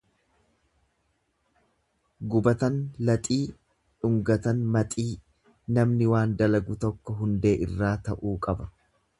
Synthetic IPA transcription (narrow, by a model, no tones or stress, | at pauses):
ɡʊbɐt̪ɐnlɐt̪ʼiː | ᶑʊŋɡɐt̪ɐnmɐt̪ʼiː | nɐmnɪwaːnd̪ɐlɐɡʊt̪ɔkːɔɦʊnd̪e̞ːʔɪrːaːt̪ɐʔuːkʼɐbɐ